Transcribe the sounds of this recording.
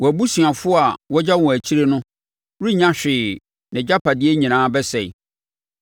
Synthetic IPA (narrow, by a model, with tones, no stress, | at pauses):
wɔ˨æ˨bu˦sĩ˨a˨fʊ˦a˨wɔ˦d͡ʑa˦wɔ̃˨æ˨t͡ɕʰi˦ɾe˦nʊ̃˦ | ɾi˦ɲã˦ɕᶣɪː˨ | nɪ̃˨d͡ʑa˦pʰa˨dɪ˦e˦ɲĩ˨nãː˦bɛ˦sɛ̰˨